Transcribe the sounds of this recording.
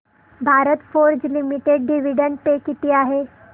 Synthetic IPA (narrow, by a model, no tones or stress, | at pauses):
bʱaɾət̪foɾd͡ʑlimiʈeɖ̚ɖiʋ̤iɖəɳʈ̚pekit̪iːaɦe